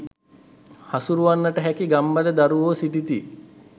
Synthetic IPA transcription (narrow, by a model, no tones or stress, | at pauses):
hasuɾuʋanːəʈəɦækiɡambaləd̪aɾuʋoːsiʈit̪i